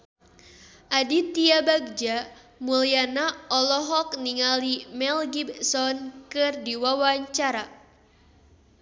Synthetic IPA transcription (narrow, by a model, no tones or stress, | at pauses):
ʔadit̪iabaɡ̚d͡ʒa | mulianaɔlɔɦɔkniŋalimɛlɡibsɔnkɨrdiwawaɲt͡ʃaɾa